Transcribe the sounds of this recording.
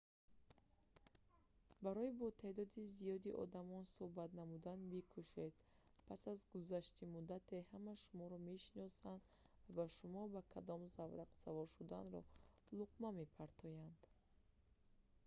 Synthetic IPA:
baɾɔibɔt̪ʰed̪ɔd̪izijɔd̪iʔɔ̰d̪amɔnsohbat̪namud̪anbikʰuʃe̞d̪ | pʰasazɡuzaʃt̪imud̪at̪ʰe̞hamaʃumɔɾɔme̞ʃinɔsand̪ | vabaʃumɔbakʰad̪ɔmzavɾaqsavɔɾʃud̪a̰nɾɔ̰luqmamepʰaɾt̪ʰɔjand̪̥

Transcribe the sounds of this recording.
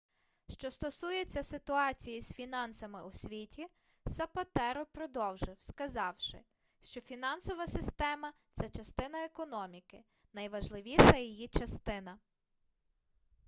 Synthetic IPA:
ʃt͡ʃɔst̪ɔsujet͡sʲːɐsɪt̪ʊɑt͡sʲijisfʲinɑnsɐmɪʔusʲʋʲitʲi | sɐpɐt̪ɛɾɔpɾɔd̪ɔwʒɪwskɐzɑwʃɪ̰ | ʃt͡ʃɔfʲinɑnsɔʋɐsɪst̪ɛmɐt̪sɛt͡ʃɐst̪ɪnɐekɔnɔmʲikɪ | n̪ɐjʋɐʒlˠɪʋʲiʃɐjijit͡ʃɐst̪ɪn̪ɐ

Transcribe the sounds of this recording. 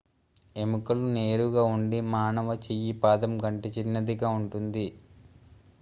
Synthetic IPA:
e̞mukɐlune̞ːɾuɡaːuɳɖimaːnɐʋɐt͡ʃijipaːd̪ɐmɡɐɳʈit͡ʃinːɐd̪iɡaːuɳʈund̪i

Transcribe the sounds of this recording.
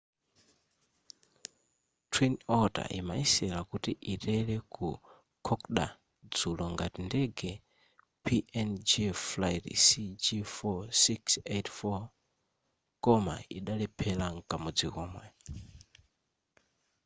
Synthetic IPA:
tʰwinɔta̰ʔimaisɛlakutiʔitɛlɛku | kʰɔkɗa̰ | d͡zulɔŋɡatindɛɡɛ | pʰiʔɛnd͡ʒiflajtisid͡ʒifɔsiksetfɔ | kɔma̰iɗalɛpʰɛlaŋkamud͡zikɔːmwɛ

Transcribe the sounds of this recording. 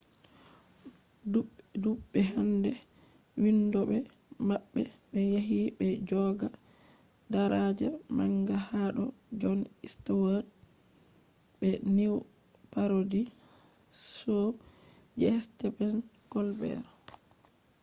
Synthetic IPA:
du | duɓːɛɦandɛ | windɔbɛ | maɓːɛ | ɓɛjaɦibɛd͡ʒɔɡa | daɾad͡ʒamaŋɡahaɗɔ̰ | d͡ʒɔn | istawa | bɛniw | paɾodi | sɔ | d͡ʒɛstɛbɛn | ɡ̥ɔlbɛ̰ɾɔ

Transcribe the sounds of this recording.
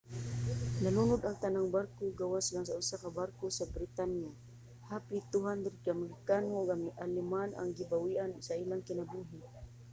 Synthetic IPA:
nalunʊd̪aŋt̪anaŋbarkoɡawaslaŋsaʊsakabarkosabɾɪt̪anja | haːpit̪ʊɦand̪ɾɪd̪̚kamalɪkanoɡʔalɪmana̰ŋɡɪbawiʔansailaŋkɪnabuɦɪ

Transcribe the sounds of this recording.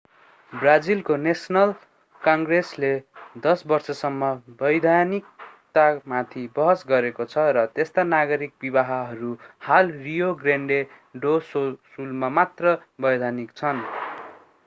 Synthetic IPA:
brad͡zilkonesnʌl | kʌŋɡresled̪ʌsbʌrsʌsʌmːʌbʌjd̪ʱanik̚t̪amat̪ʰibʌɦʌsɡʌɾekot͡sʰʌɾʌt̪est̪anaɡʌɾik̚bibaɦaɦʌɾuhalrijoɡreɳɖe | ɖososulmamat̪rʌbʌjd̪ʱanikt͡sʰʌn

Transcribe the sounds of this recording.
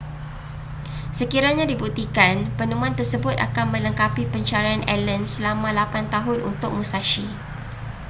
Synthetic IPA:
səkiɾaɲãdibut̪ikanpənũmũant̪ərsəbʊt̪a̰kanmə̃ləŋkapipəɲt͡ʃaɾaanʔɛlənsəlamãlapant̪aɦʊnṵnt̪ʊk̚mũsaʃi

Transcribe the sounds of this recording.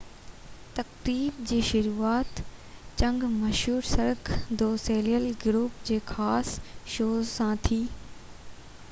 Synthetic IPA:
t̪ɐkt̪iːb̚d͡ʑiːʃʊɾuːaːt̪t͡ɕɐ̃ŋɡmɐʃɦuːɾsɐɾkd̪oːseːliəlɡɾuːpd͡ʑeːxaːsʃoːzsãt̪ʰiː

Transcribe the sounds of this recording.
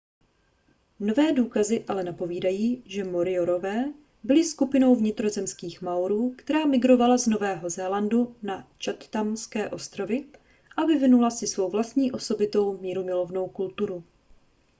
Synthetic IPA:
no̞vɛːduːkazɪʔalɛnapo̞viːdajiːʒɛmo̞ɾɪoɾo̞vɛː | bɪlɪskupɪno̞wvɲɪt̪ɾo̞zɛmskiːxmawɾuːkt̪ɛɾaːmɪɡɾo̞valazno̞vɛːɦo̞zɛːlandunat͡ʃat̪t̪amskɛːʔo̞st̪ɾo̞vɪ | ʔavɪvɪnulasɪsvo̞wvlast̪ɲiːʔo̞so̞bɪt̪o̞wmiːɾumɪlo̞vno̞wkult̪uɾu

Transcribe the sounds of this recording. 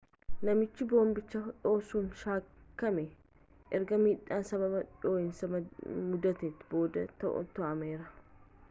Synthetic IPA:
nɐmɪt͡ʃːɪbo̞ːmbɪt͡ʃːɐᶑo̞ːsuːnʃaːkːɐmɛ | ʔɛɾɡɐmiːᶑaːnsɐbɐbɐᶑoːɪnsɐmmʊd̪ɐt̪eːt̪ːɪbo̞ːd̪ɐt̪ɐ̰ʔɔ̰t̪ɔʔɐmeːɾɐ

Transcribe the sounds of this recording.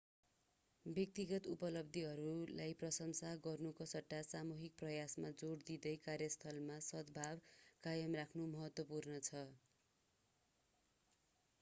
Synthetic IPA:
bjʌk̚t̪iɡʌt̪upʌlʌb̚d̪ʱiɦʌɾulajprʌsʌŋsaɡʌrnukʌsʌʈːasamuɦik̚prʌjasmad͡zord̪id̪ʌjkarjʌst̪ʰʌlmasʌd̪bʱabkajʌmrakʰnumʌɦʌt̪wʌpurnʌt͡sʰʌ

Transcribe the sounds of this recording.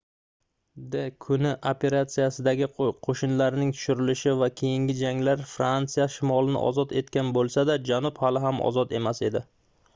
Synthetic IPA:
d̪ekʰʊnɪʔopʰe̞ɾat̪sijasɪd̪aɡʲɪqʰoʃɪnlaɾɪnɪŋt̪ʰʊ̥ʃʊɾɪlɪʃɪvakʲʰe̞jɪŋɡʲɪd͡ʒaŋlaɾfɾant̪sijaʃɪmɒlˠɪnɪ̰ʔɒ̰zɒt̪e̞t̪kʲanbolˠsad̪ad͡ʒanʊphalɪɦamɒ̰zɒt̪e̞mase̞d̪ɪ

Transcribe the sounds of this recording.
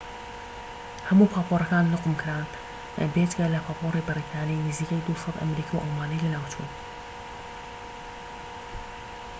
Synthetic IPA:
hɐmuːpʰaːpʰoːrˤɐkaːnlʊqmkʰɨɾaːn | bed͡ʒɡɐlɐpʰaːpʰoːriːbɨriːt̪ʰaːnijnɪziːkɐjd̪usˤɑd̪ʔɐ̰mɾiːkʰawʔɐlˠwaːnɐjlɐnaːwt͡ʃṵːn

